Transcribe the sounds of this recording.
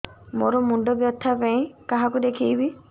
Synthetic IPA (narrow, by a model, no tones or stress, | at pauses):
mo̰ɾɔmuɳɖɔbjɔt̪ʰːapaĩkaɦakud̪ekʰijbi